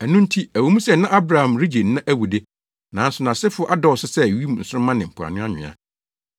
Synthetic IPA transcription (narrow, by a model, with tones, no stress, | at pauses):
æ˨nũ˦n̩˦tʰi˦æ˨wo˨˦mũ˦sɛ˦nã˦ʔa˦bɾa˨hã˨mɾi˦d͡ʑe˨nː˨˦ã˦ʔæ˦wu˨de˦ | nã˨˦n̩˦sʊ˨nã˨sɪ˦fʊ˦ʔa˦dɔ˦ɔ˨sɪ˦sɛ˦˨ɥi˦mũ˨n̩˨sʊ˦ʊ̃˦mã˦nɪ̃˨m̩˨pʰʊ˨a̰˨nʊ̃˦a˦ɲᶣɪ̰̃˨a̰˨